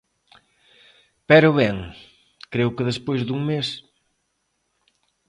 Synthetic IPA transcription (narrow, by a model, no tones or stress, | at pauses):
pɛɾʊβeŋ | kɾewkɪðespojzðuŋmes